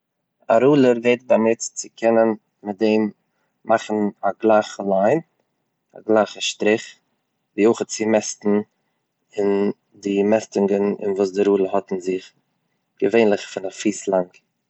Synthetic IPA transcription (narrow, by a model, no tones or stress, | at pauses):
a̰ɾuːlˠəɾveɪt̚bamɪtt͡sɪkʰɛnən | mɪt̚deɪm | maχn̩aɡlˠaɪχəlˠaɪn | a̰ɡlˠaɪχəʃtɾɪχ | viːoɪχət͡sɪmɛstn̩ | ɪn | dɪmɛstɪŋɡənɪ̰nvuːsdɪɾuːlˠəhɔtn̩zɪχ | ɡ̥əveɪnlˠɪχfɪnafiːslˠaŋk